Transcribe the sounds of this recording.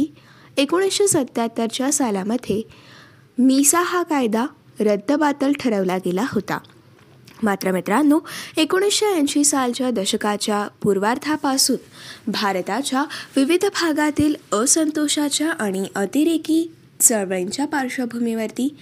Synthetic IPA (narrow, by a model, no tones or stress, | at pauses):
i | ekoɽ̃isɕesət̪jat̪əɾt͡ɕjasalaməd̪ʱːe | misaɦakajd̪a | ɾəd̪ʱːəbat̪əlʈʰəɾəʋlaɡelaɦot̪a̰ | mat̪ɾəmit̪ɾanːuekoɽ̃isɕeə̃ɲɕisalt͡ɕjad̪əɕəkat͡ɕjapuɾʋaɾt̪ʰapasuːnbʱaɾt̪at͡ɕjaʋiʋid̪ʱbʱaɡat̪iːləsənt̪oɕat͡ɕjaʔaɽ̃iʔət̪iɾekiː | t͡səɭʋɭeɲt͡ɕjapaɾʂəbʱumiʋəɾt̪iː